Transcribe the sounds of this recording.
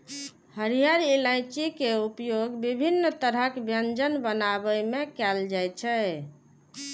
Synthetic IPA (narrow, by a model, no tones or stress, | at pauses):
həɾijaɾelaɪt͡ʃikeupjoɡbibʱinːt̪əɾɦəkbjənd͡ʒənbənabəmekɛld͡ʒajt͡ʃʰɛ